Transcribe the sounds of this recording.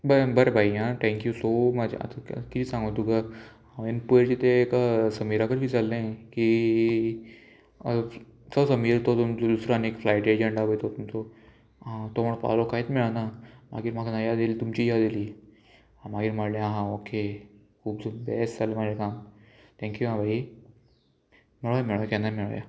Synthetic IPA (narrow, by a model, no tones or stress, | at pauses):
bəbəɾebʱaiɦãʈ̪ʰɛ̃ŋkjusomad͡ʑa̰ə̰t̪ʰakit̪ʰisãŋɡət̪uɡa | ãʋenpued͡ʑit̪ʰekasəmiːɾakəɾbʱiːd͡zalẽki | səsəmiːɾt̪ot̪umt͡sod̪usɾanekflajʈed͡ʑeɳɖabəjt̪ʰot̪umt͡so | ãt̪oməɽpa̰lokaet̪miɭanama̰ɡiːɾmaknajad̪ilit̪umt͡ɕijad̪iliː | ãmaɡiːɾmaɽlẽaɦãokʰe | kʰuːbsubɛsd͡zalemad͡ʑekam | t̪ʰɛ̃ŋkjuɦãbʱai | meɭjameɭjkenameɭ̰ja̰